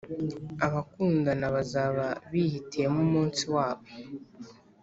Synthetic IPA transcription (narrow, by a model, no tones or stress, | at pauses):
aβakuːndanaβazaβaβihitʰemumuːnsiwaːβo